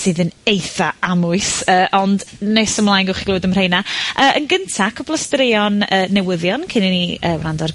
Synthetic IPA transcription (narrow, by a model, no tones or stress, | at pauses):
sɨːðənejθaamʊɨsəːʔɔndnɛsəmlˠaːjnɡʊχiɡloːdəmr̥ejnaʔəːʔənɡəntʰakʰɔblˠəstɾɪjɔnəːɛwəðjɔnkʰɪniniəːwrandɔr